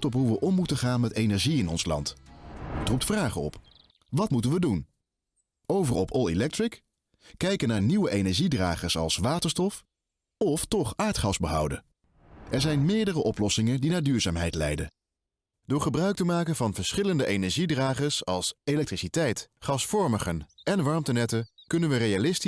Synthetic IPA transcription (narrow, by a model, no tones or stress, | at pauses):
tɔpɦuʋəʔɔmːutəχaːnmɛtejnɛɹʒiɪnɔnslɑ̰nt | trup̚tfraːχəɔ̰p | ʋɑtmutənʋədun | owvərɔpʰɔlˠelɛk̚tɹɪk | kɛjkənaːɹniwəʔejnɛɹʒidra̰ːχəsɑ̰lˠsʋaːtəɹstɔf | ɔftɔχaːɹtχɑzbəɦɑwdə̰ | ʔɛɹzɛjnmɪːɹdərəʔɔplɔsɪŋəndinaːɹdyːɹzaːmɦɛjtlɛ̰jdə | d̥ʊːɹχəbrœɥk̚təmaːkənvɑnvəɹsχɪləndəʔejnɛɹʒidraːχəsɑlˠselɛk̚trisitɛjtχɑsfɔɹməχənɛnʋɑɹmtənɛtəkɵnənʋərejalɪsti